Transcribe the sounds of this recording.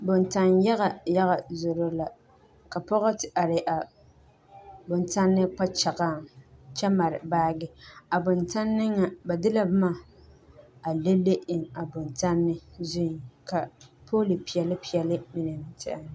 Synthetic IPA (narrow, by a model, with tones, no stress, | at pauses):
bʊ˨nta˨nja˦ɣa˨ja˦ɣa˨zʊ˨ɾo˦la˨ | ka˨pɔ˦ɣɔ˦tɪ˨ʔa˨ɾɪ˨ʔa˨ | bʊ˨nta˦nːɪ˦k͡pa˦t͡ʃa˨ɣa˦˨ŋt͡ʃɛ˦ma˨ɾɪ̰˨baː˦ɡɪ˦a˨bʊ˨nta˦nːɪ˦ŋːa˨ba˨dɪ˦la˦bma˦˨ | a˨le˦le˦ʔɪ˨ŋa˨bʊ˨nta˦nːɪ˦zʊ˦n˨ka˨pʰo˦lɪ˨pi˨ɛ˨lɪ˦pi˨jɛ˨lɪ˦mi˦nɨ˨m˨tʰɪ̰˦a˨n˦